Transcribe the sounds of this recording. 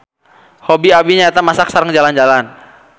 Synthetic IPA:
hobiabiɲaɛt̪amasak̚saɾəŋd͡ʒaland͡ʒalan

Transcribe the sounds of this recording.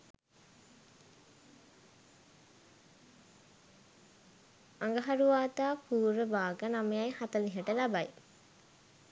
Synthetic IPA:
aŋɡəɦaɾuʋaːt̪aːpuːɾəbaːɡənamejajhat̪əliɦəʈəlabaj

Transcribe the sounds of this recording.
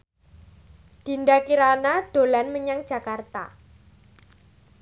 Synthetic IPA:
d̥i̤nɖakiɾanad̪̥o̤lanməɲaŋd̥ʒ̥a̤kart̪a̰

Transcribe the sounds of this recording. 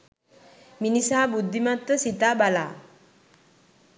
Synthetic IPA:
minisaːbud̪ʱːimat̪ːəsit̪abala̰ː

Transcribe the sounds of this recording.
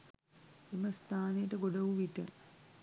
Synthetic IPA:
eməst̪aːnejəʈəɡoɖɐʋuʋiʈə

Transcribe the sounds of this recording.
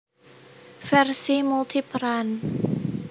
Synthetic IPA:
fɛrsimult̪ʰipɾan

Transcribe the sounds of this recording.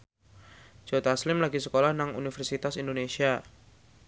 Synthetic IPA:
d͡ʒ̥ot̪aslɪmlaɡisəkolahnaŋṵnifɛrsit̪asindonesia

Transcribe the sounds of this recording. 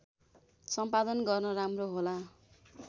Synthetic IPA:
sʌmpad̪ʌnɡʌrnʌramroɦola

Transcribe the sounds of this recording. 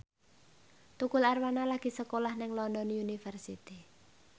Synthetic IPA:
t̪ukʊlarwanalaɡ̥i̤səkolahnɪŋlɔnd̪ɔnjunifɛrsit̪i

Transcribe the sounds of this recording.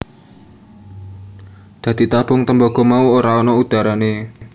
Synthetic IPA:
d̪̥ä̤d̪̥i̤t̪ab̥ʊŋt̪əmbɔɡ̥ɔ̤mauoɾaɔnɔud̪̥a̤ɾane

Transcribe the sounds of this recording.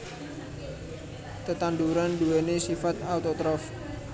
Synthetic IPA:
t̪ət̪and̪uɾanduwenesifat̪awt̪ot̪ɾɔf

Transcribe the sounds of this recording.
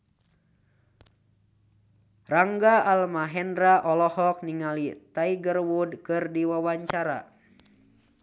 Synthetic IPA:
raŋɡaʔalmaɦɛndɾaʔɔlɔhɔk̚niŋalit̪aiɡərwudkɨrdiwawaɲt͡ʃaɾa̰

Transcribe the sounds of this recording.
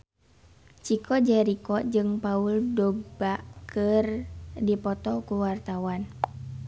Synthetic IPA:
t͡ʃikʰɔd͡ʒɛɾikɔd͡ʒɨŋpauldɔɡ̚bakʰɨrdipɔt̪ɔkuwart̪awan

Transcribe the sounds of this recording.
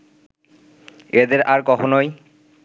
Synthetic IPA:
ed̪eɾaɾkɔkʰonɔj

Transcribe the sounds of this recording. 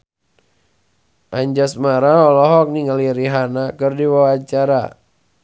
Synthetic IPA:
ʔaɲd͡ʒasmaɾaɔlɔɦɔk̚niŋaliɾiɦanakɨrdiwawat͡ʃaɾa̰

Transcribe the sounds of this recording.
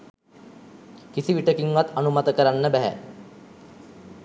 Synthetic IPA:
kisiʋiʈəkiŋʋat̪ːanumat̪əkəɾanːəbæɦæ̰

